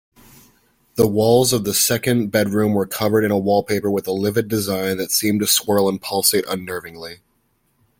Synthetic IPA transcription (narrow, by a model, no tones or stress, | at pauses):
ðəwɔlˠzʌvðəsɛkɨ̃nbɛd̚ɹʉ̃mwə˞kʰʌvə˞ɾɨ̃nəwɔlˠpʰeɪpə˞wəðəlɪvɨdɨzãɪ̃nðɨtsĩmtɨskwɜ˞lˠə̃npʰʌlˠseɪɾʔə̰̃nːɜ˞vɪ̃ŋli